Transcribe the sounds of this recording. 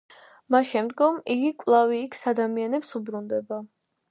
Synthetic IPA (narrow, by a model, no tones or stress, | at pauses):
masʃɛmd̪ɡɔmiɡikʼvlˠaviːkʰsad̪amianɛpsubɾund̪ɛba